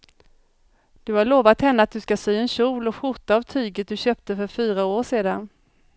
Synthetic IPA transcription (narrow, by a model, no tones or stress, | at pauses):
d̪̥ɵhaɭoːvat̪hɛnːəat̪̚d̪ɵskasyːɛnɕuːlɔɧʊʈ̪aːvt̪ʰyːɡət̪̚d̪ɵɕøːp̚t̪əfœɾfyːɾaoːʂeːd̪an